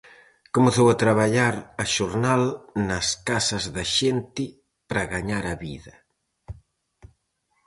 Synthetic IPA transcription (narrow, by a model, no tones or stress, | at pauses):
komeθowɐt̪ɾaβaʎaɾɐʃoɾnalnɐskasɐzðɐʃent̪ɪ | pɾɐɣaɲaɾɐβḭðɐ